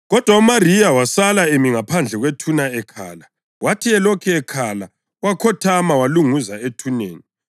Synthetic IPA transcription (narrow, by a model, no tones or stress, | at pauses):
ɣɔd̥ʱwaumarijawasalaemiŋapʰand͡ɮʱɛɣwetʰunaɛkʰa̰ːla | watʰiɛlɔkʰɛɛkʰala | wakʰɔtʰamawaluŋuzaetʰunḛːni